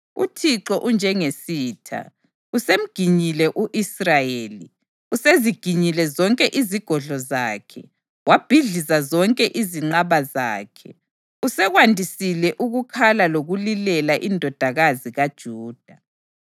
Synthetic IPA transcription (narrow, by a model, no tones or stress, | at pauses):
ṵtʰiǁɔʔund͡ʒʱɛŋesiːtʰa̰ | usem̩ɡ̥ʱiɲilɛʔuʔisrajeːli | useziɡ̥ʱiɲilɛzɔŋkʼɛʔiziɡ̥ʱɔɮɔzaːkʰɛ̰ | wab̥ʱiɮisazɔŋkʼɛʔiziŋ͡ǃaβaza̰ːkʰɛ | usɛɣwandʱisilɛʔuɣukʰalaloɣulilɛlaʔindʱɔd̥ʱaɣaziɣad̥ʒ̥ʱuːd̥ʱa